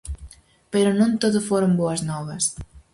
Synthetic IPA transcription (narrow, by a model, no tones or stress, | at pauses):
peɾonõnt̪oðʊfoɾomboɐznɔβɐs